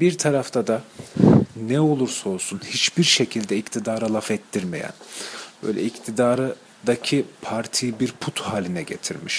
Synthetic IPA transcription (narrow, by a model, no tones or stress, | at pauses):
biɾt̪ʰaɾaft̪ʰad̪a | nɛo̞lˠuɾsao̞lˠsunhit͡ʃbiɾʃe̞cʰilʲd̪ɛict̪ʰid̪aːɾalˠafɛt̪ʰːiɾme̞̰jæ̰nbø̰jlʲɛ̰ict̪ʰid̪aːɾɯ | d̪acʰipʰaɾt̪ʰijibiɾpʰut̪haːlʲinɛɟe̞̰t̪ʰiɾmiʃ